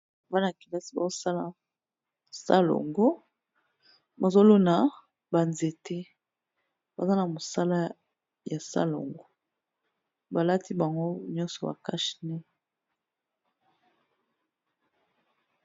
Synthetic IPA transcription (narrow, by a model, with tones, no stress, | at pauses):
a˨va˦na˨ki˨la˦si˨ba̰˨zo˦sa˦la˨ | sa̰˦lo̰˨ŋɡo˦ | ba˨zo˦lo˦na˨ | ba˨nze˨te˦ | ba˨za˦na˨mo˨sa˦la˦ | ja˨sa̰˦lo̰˨ŋɡo˦ | ba˨la˦ti˦ba˨ŋɡo˦ɲɔ˦nsɔ˨ba̰˨ka˦ʃi̥˨nɛ˦